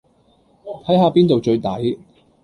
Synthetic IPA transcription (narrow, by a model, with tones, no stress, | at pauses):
t̪ʰɐ˨˥jɦaː˨piː˥nt̪o˨wt͡ʃɵ˧ɥt̪ɐ˨˥j